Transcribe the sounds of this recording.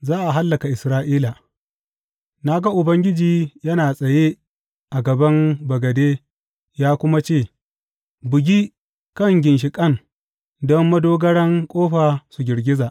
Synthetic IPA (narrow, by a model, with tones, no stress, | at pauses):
zaː˦ʔa˨ɦa˦lːɐ˨ka˨ʔɪ˨sɾaː˦ʔiː˦la˨ | na˦ɡɐ˦ʔʊ˨bɐ˦ŋɡʲɪ˦d͡ʒiː˨jɐ˦naː˨sʼɐ˨je˦ | ʔa˨ɡɐ˨bɐ˦mbɐ˨ɡɐ˨deː˦ | jaː˦kʷʊ˦ma˦t͡ʃeː˦˨ | bʊ˨ɡʲiː˦ | kɐ˦ŋɡʲɪ˨nʃ̬ɪ˨kʼɐ˦n | dɔ˦mːɐ˦doː˦ɡɐ˦ɽɐ˦ŋkʷʼoː˦ɸaː˨su˨ɡʲɪ˨ɾɡʲɪ˦zaː˨ʔ